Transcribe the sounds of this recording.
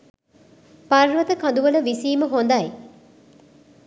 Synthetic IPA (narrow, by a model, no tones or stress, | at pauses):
parʋət̪əkãnd̪uʋələʋisiːməɦond̪ɐj